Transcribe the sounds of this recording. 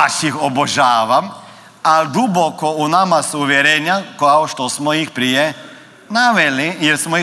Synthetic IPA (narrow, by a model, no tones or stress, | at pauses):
aʃixoboʒaːʋam | ald̪ubokounamasuuʋjeɾeːɲakaoʃt̪osmojixpɾije | naʋeliilsmoi